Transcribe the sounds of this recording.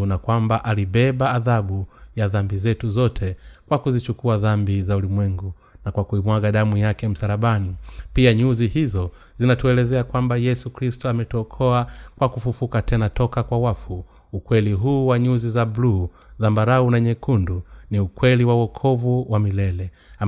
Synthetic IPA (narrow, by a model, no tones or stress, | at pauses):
nakwambaʔaliɓɛɓaːðaɓujaðambizɛtuzɔtʰɛkwakuzit͡ʃukuaðambizaulimwɛŋɡu | nakwakuimwaɠaɗamujakɛm̩saɾaɓanipiaɲuzihizɔ | zinatuɛlɛzɛakwambajɛsukɾistɔamɛtuɔkʰɔakwakufufukatʰɛnatɔkakwawafu | ukwɛliɦuːwaɲuzizabluː | ðambaɾaunaɲɛkunduniukwɛliwauwɔkʰɔvuwamilɛlɛ